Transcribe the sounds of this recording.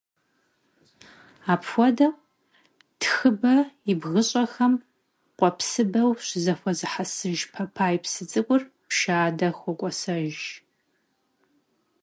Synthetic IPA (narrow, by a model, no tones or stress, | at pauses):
aːpxʷɔdɐ | txɨbɐiɪbɣɨɕʼɐxɐm | qʷʼɔpsɨbɐwɕzɐxʷɔzɨħasɨʒpʰɐpʰaːjipsɨt͡sʼɨkʷʼʊrpʃaːdɐxʷɔkʷʼɔsɐʒ